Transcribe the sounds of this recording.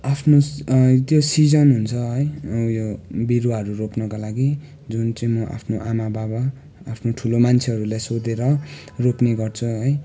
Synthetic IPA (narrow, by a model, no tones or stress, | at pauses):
apʰnot̪josid͡zʌnɦunt͡sʰʌɦʌjjobiɾaɦʌɾuropnʌkalaɡi | d͡zunt͡sʌĩmʌʔa̰pʰnoʔamababaː | pʰnoʈʰulomant͡sʰeɦʌɾulajsod̪eɾʌ | ropneɡʌrt͡sʰuɦʌj